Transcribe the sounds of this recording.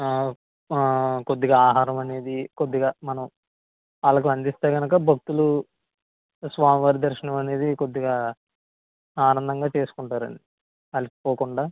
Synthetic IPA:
ko̞d̪ːiɡaaːɦaːɾɐmɐne̞ːd̪ikod̪ːiɡaːmɐnɐm | ʋaːlːɐkuɐnd̪ist̪eːɡɐnɐkɐbʱɐk̚t̪ulu | sʋaːmiʋaːɾid̪ɐɾʃɐnɐmɐne̞ːd̪iko̞d̪ːiɡaː | aːnɐnd̪ʱɐŋɡaːt͡ʃe̞ːsu̥kuɳʈaːɾɐ̰ɳɖi | aːlːiki̥pɔːkuɳɖaː

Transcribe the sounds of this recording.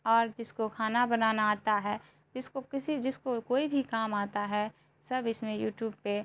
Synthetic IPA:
ɔːɾd͡ʒɪskokʰaːnabɐnaːnaaːt̪aɦɛː | d͡ʒɪskokɪsid͡ʒɪskokoːibʱikaːmaːt̪aɦɛ | sɐbɪsmẽjuːʈjuːb̚pe

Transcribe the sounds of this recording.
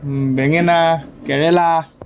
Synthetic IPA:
bɛŋɛnakɛɹɛla

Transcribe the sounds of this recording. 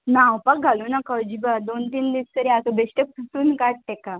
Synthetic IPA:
nãwpak̚ɡʱalunakəd͡ʑibad̪ont̪iːnliskəɾiasəbesʈepusuːnkaʈ̚ʈ̪ɛka

